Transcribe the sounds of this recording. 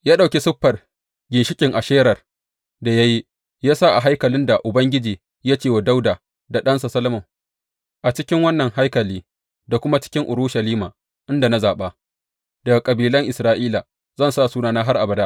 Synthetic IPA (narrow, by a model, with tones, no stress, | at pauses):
jaː˦ɗa˨wkʲe˦sʊ˦ɸːɐ˨r | ɡʲɪ˨nʃɪ˦kʲʼɪ˨ŋʔa˨ʃeː˦ɾɐ˨r | da˨ja˦ji˦ | jaː˦saː˦ʔa˨ɦa˦jkɐ˨lɪ˦nda˨ʔʊ˨bɐ˦ŋɡʲɪ˦d͡ʒiː˨ | jaː˦t͡ʃeː˦˨wa˨da˦wdaː˨ | da˨ɗɐ˦nsa˨sɐ˦lɐ˦mʊ˨m | ʔa˨t͡ʃɪ˦kʲɪ˦ŋwɐ˦nːɐ˨ŋha˦jkɐ˨liː˦ | da˨kʷʊ˦ma˦t͡ʃɪ̥˦kʲɪ˦ŋʔʊ˨ɾu˦ʃɐ˨liː˦maː˨ | ʔɪ˦nda˨na˦zaː˨ɓa˦ | d̥ɐ˨ɡa˨kʼɐ˨biː˨lɐ˦ŋʔɪ˨sɾaː˦ʔiː˦la˨ | zɐ˦˨nsaː˦˨suː˦naː˨naː˦ɦa˦rʔa˨bɐ˨da˦ʔ